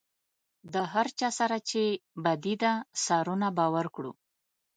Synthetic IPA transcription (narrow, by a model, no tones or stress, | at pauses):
d̪əɦaɾt͡ʃɑsaɾat͡ʃebad̪id̪asɑɾunabɑwaɾkɽṵ